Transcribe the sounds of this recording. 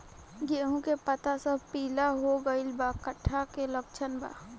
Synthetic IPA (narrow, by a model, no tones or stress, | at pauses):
d͡ʒeːɦũkepət̪asəb̚ʱpiːlaɦoɡəɪlbakəʈʰːakelək̚t͡ʃʰənba̰ː